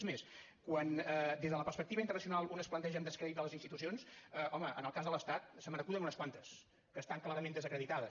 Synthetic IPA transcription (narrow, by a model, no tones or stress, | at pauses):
zmes | kwanəd̪ezðələpərspəkt̪iβəint̪ərnəsiunalˠunəsplənt̪ɛʒəmd̪əskɾɛðit̪ələzinst̪it̪usionsəʔɔməə̰nəlˠkazðələst̪at̪̚səmənəkuðənunəskwant̪əs | kəːst̪aŋklaɾəmend̪əzəkɾəðit̪aðə